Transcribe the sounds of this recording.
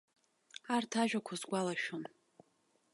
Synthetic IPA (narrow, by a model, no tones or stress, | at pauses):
artʰaʒᶣakʷʰazɡʷalaʃon